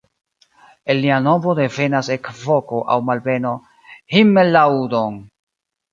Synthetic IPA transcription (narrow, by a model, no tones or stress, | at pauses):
elːianobode̞ve̞nasekvo̞ko̞ʔawmalbe̞no̞ | himelːawdon